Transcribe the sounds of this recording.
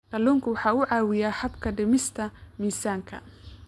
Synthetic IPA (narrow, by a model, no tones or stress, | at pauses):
qɐluːŋkʰʊwɑħɑːʊʕɑːwɪjaːhɐbkʰɐɖɪmɪst̪ʰɐmiːsaːŋkʰɐ̰